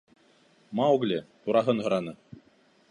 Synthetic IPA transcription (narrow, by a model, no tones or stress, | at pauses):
mɑuɡlʲɘt̪uɾɑɦɤnɦɤ̆ɾɑnɤ